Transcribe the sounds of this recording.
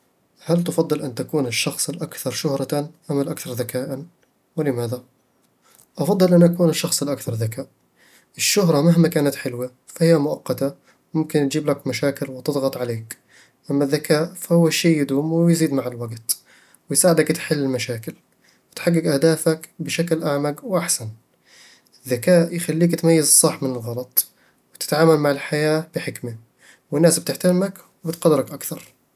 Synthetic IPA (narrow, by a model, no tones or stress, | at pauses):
halt̪ɑfɑd̪ˤːɨlʔant̪akuːnɪʃːɑxsˤɪlʔakθɑɾˤʃʊhɾˤɑt̪anʔamalʔakθɑɾˤðakaːʔan | wɪlɪmaːða | ʔɑfɑd̪ˤːɨlʔanʔakuːnɪʃːɑxsˤɪlʔakθɑɾˤðakaːʔ | ʔɪʃːʊɦɾˤɑmaɦmakaːnat̪ħɪlwa | fahɪjːamʊʔɑqːɑt̪a | mʊmkɪnt̪d͡ʒiːblakmaʃaːkɪlwɪt̪ɨd̪ˤɣɑt̪ˤʕaleːk | ʔamːaðːakaːʔfahʊwːaʃiːjːɪd̪ʊmwɪjziːd̪maʕalwaɡt̪ | wɪjsaːʕɪd̪akt̪ħɪlːɪlmaʃaːkɪl | wɪt̪ħaɡːɪkʔahd̪aːfakbɪʃaklʔaʕmaɡwʔaħsan | ʔɪðːakaːʔjxalːiːkt̪majːazsˤɑħmɪnɪlɣɑlɑt̪ˤ | wɪt̪ɪ̥t̪ʕaːmalmaʕɪlħajaːb̥ɪħɪkma | wɪnːaːsb̚t̪ɪħt̪aɾmak | wɪbɪt̪qɑd̪ːɪɾɑkʔakθɑɾˤ